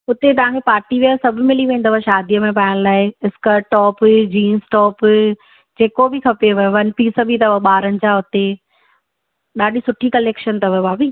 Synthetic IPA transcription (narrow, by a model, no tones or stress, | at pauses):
ʊt̪et̪ɐʋ̤ãːkʰepaːɾʈiʋiasɐbʱmɪliʋẽːn̆d̪əʋaʃaːd̪ijəmẽpaːɪɽ̃laːɪɪskəɾʈɔːpd͡ʑiːnsʈɔːp | d͡ʑeːkobʱɪkʰɐpeʋɐʋɐnpiːsəbʱit̪ɐʋɐɓaːɾənɪ̆t͡ɕaʊt̪e | ɗaːɗisʊʈʰikɐleːkʃənt̪ɐʋbaːbiː